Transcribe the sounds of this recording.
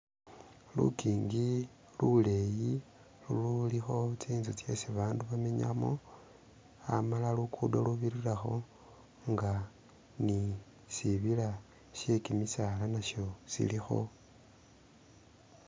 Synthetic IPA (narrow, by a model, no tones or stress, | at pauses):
lṵkiːŋɡi | luleji | lululixo̞t͡siːnzut͡sje̞siβaːnduβame̞ɲa̰mo | a̰malalukʰudo̰luβiɾiraxo̞ | ŋɡa | ni | siβila | ʃe̞kimisaːlanaʃo̞sḭlixo̞̰